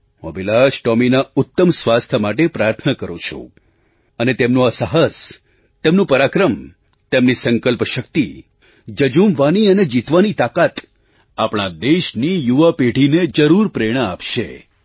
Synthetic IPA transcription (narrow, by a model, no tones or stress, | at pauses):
mə̰̃bilaʃʈɔminaʊt̪ːəmsʋast̪ʰəmaʈ̬epɾaɾt̪ʰnəkəɾũt͡ʃʰṵ̃ | ənet̪emnũasaɦəs | t̪emnũpəɾakɾəm | t̪emnisəŋkəlpʃək̚t̪i | d͡ʒəd͡ʒumʋaniəned͡ʒit̪ʋanit̪akat̪ | apɽ̃ad̪eʃnijuʋapeɖʱined͡ʒəɾuɾpɾeɽ̃əapʃḛ